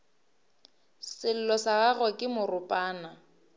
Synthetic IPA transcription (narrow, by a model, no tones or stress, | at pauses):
sɪl̩lɔsaɣaɣɔkʼɪmʊrʊpʼaːna